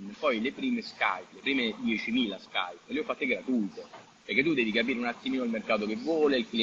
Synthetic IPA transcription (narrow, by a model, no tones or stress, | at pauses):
pɔjlepɾiːmeska̰jplepɾiːmed̪jɛt͡ʃimiːlaska̰jpːleɔfːat̪ːekɛɾat̪ult̪e | peɾrk̟et̪ːud̪ːɛːvikapiːɾeunat̪ːimiːnoilmerkaːt̪okevːwɔːleilkli